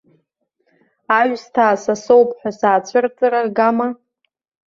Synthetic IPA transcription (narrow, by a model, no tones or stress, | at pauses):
aɥstʰaːsasowpʼħʷᶣasaːt͡ɕʷʰɨrt͡sʼɨɾarɡama